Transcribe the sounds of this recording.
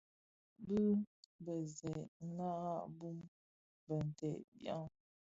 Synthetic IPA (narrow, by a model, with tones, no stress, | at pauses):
bʉ˦bə˨zɛ˨˦na˦ɣa˦ʔbu˦m | bə˨n˨tɛ˨ʔbja̰˦ŋ